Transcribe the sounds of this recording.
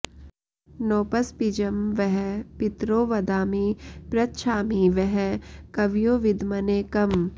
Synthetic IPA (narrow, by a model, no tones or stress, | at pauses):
noːpəspid͡ʒəmʋɛɦɛpɪt̪ɾoːʋɐd̪aːmipɾɐtʃʰaːmiʋɛɦɛkɐʋjoːʋɪd̪mɐneːkɐm